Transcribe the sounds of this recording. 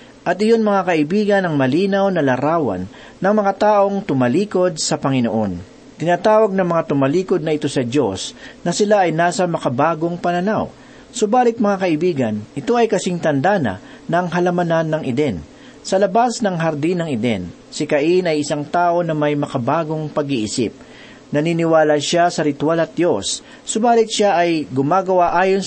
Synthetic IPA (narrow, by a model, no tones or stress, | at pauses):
ʔɐt̪ʔɪjo̞nmɐŋakɐʔɪbiːɡɐnɐŋmɐliːnɐwnɐlɐɾaːwɐ̰nː | ɐŋmɐŋat̪aːʔo̞ŋt̪ʊmɐliːko̞d̪̚sɐpɐŋɪnoʔo̞n | t̪ɪnaːt̪aːwɐɡ̚nɐŋmɐŋat̪ʊmɐliːko̞d̪̚nɐʔɪt̪o̞sɐd̪jo̞snɐsɪlaʔɐjnaːsɐmɐkɐbaːɡo̞ŋpɐnɐnaw | sobaːlɪt̪̚mɐŋakɐʔɪbiːɡɐnʔɪt̪o̞ʔɐjkɐsɪŋt̪ɐnd̪aːnɐ̰ | nɐŋɦɐlɐmɐnanːɐŋʔɪd̪ɛn | sɐlɐbasnɐŋɦɐɾd̪inɐŋɪd̪ɛ̰n | sɪkɐʔinɐjʔɪsaŋt̪aːʔo̞nɐmɐjmɐkɐbaːɡo̞ŋpɐɡiʔɪsɪ̰p̚ | nɐninɪwaːlɐʃasɐɾɪt̪walɐt̪̚d̪jo̞sː | obaːlɪt̪̚ʃaʔɐjɡʊmaːɡɐwaʔaːjon